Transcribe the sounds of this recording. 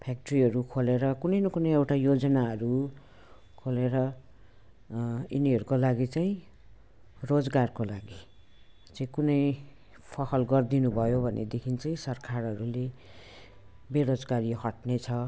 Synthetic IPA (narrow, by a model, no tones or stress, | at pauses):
pʰak̚ʈʌriɦʌɾukʰoleɾʌkunʌjnʌkunʌjewʈajod͡zʌnaɦʌɾu | kʰoleɾʌ | iniʌɾukolaɡit͡saĩ | rod͡zɡarkolaɡi | t͡saĩkunʌj | pʰʌsʌlɡʌrd̪inubʱʌjobʱʌnḛd̪ekʰint͡saĩsʌrkʰarɦʌɾule | beɾod͡zɡaɾiɦʌʈnet͡sʰʌ